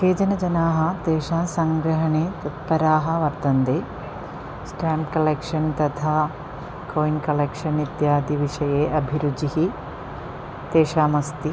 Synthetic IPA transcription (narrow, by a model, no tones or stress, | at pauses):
keːd͡ʒɐnɐd͡ʒɐnaːɦɐ̆t̪eːʃaːsɐŋɡɾɐɦɐɳeːt̪ut̪̚pɐɾaːɦɐ̆ʋɐɾt̪ɐnd̪eː | sʈaːmpkɐleːkʂɐnt̪ɐt̪ʰaː | koːjnkɐleːkʂɐnʋit̪jaːd̪ʱiʋiʂɐjeːʔɐbʱiɾud͡ʒiɦi | t̪eːʃaːmɐst̪i